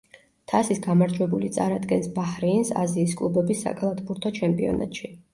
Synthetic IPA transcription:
t̪ʰasisɡamaɾd͡ʒwɛbulit̪sʼa̰ɾad̪ɡɛnsbahɾiːnsa̰ziːs̬kʼlˠubɛbisːa̰kʼalˠat̪ʰbuɾt̪ʰɔt͡ʃʰɛmpʼiɔ̰na̰t̪ʼʃi

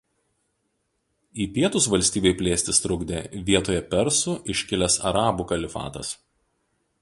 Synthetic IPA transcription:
iːpʲiɛt̪ʊsʋɐlʲsʲt̪ʲiːbʲeɪpʲlʲeːsʲt̪ʲɪst̪ɾʊɡd̪ʲeʋʲiɛt̪oːjɛpʲɛɾsʊʔɪʃʲkʲɪlʲɛsɐ̰ɾɑːbukɐlʲɪfɑ̰ːt̪ɐ̰s

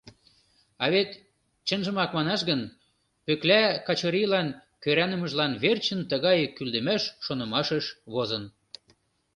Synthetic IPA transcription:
ɑβet̪ | t͡ɕənʒə̆mɑkmɑnɑʃɣən | pøklækɑt͡ɕɤɾʲijlɑnkøɾænə̆mə̆ʒlɑnβert͡ɕənt̪əɣɑjkyld̪ə̆mæʃːonɤ̆mɑʃəʃβozɤn

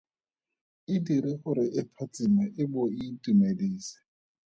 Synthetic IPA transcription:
ɪdiɾɪχʊɾɪʔɪpʰat͡sɪmaʔɪbʊitʼumediːsɪ̥

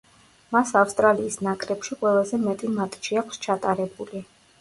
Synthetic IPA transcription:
masafst̪ʼɾaliːsnakʼɾɛpʃiqʼwɛlˠazɛmɛt̪ʼimat̪ʼʃiakʷʰst͡ʃʰat̪ʼaɾɛbuli

